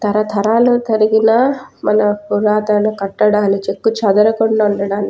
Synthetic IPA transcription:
t̪ɐɾɐt̪ʰɐɾaːlut̪ɐɾiɡinɐmɐnɐpuɾaːt̪aːnukɐʈːɐɽaːnit͡ʃekːut͡ʃɐd̪ɐɾɐkoɳɖauɳɖɐɽaːni

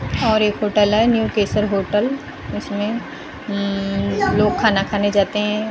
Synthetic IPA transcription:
ɔːɾeːkɦoːʈəlɦɛnjuːkeːsəɾɦoːʈəl | ɪsmẽ | loːɡ̚kʰaːnakʰaːned͡ʒaːt̪eɦɛ̃ː

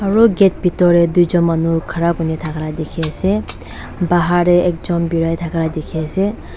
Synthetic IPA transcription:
ɔɾoɡet̪̚bʱit̪ɔɾed̪ujd͡ʒɔmanukʰaɾabunet̪ʰakʰɾad̪ekʰese | baɦaɾeek̚d͡ʒɔmbiɾajt̪ʰakʰɾad̪ekʰese

